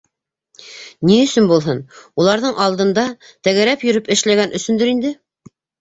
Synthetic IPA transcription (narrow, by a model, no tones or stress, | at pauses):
niɵ̆sɵnbulˠɦɤnulˠɑɾðɤɴʔɑlˠd̪ɤ̆nd̪ɑt̪æɡæɾæpjɵ̆ɾɵpɘ̆ʃlæɡænʔɵ̆sɵ̆nd̪ɵɾind̪ɘ